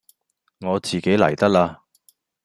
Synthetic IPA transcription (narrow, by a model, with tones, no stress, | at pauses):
ŋɔː˨˧t͡siː˨ke˨˥jlɐ̰˨˩jt̪ɐ˥k̚laː˧